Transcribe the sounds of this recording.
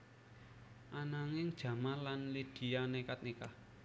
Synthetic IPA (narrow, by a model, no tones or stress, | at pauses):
ʔanaŋɪŋd̥ʒ̥ä̤malanlid̪̥i̤janekat̪̚nika